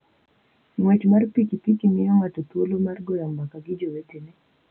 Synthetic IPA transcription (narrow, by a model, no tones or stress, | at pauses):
ŋwat͡ʃmaɾpikipikimijɔŋatɔtuolɔmaɾɡɔjambakaɡid͡ʒɔwɛtɛnɛ